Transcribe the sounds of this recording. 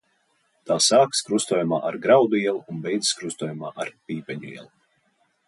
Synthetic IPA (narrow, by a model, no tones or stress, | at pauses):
t̪aːsaːkskɾust̪uɔːjuma̰ːʔaɾɡɾawd̪uiɛlˠuunbɛjd̪zɨ̥skɾust̪uɔjumaːʔaɾpʲiːpʲɛɲuḭɛ̰lˠu